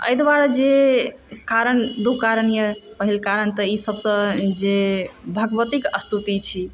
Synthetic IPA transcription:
ə̰jd̪baɾd͡ʒe | kaɾənd̪ukaɾənjəpəɦilkaɾənt̪əisəbsə̃d͡ʒebʱəɡəʋət̪ikəst̪ut̪it͡ʃʰi

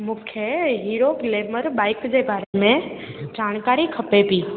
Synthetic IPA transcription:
mũːkʰeɦiːɾokleːməɾbaːɪkd͡ʑebʱaːɾemẽd͡ʑaːɽ̃kaːɾikʰɐpepiː

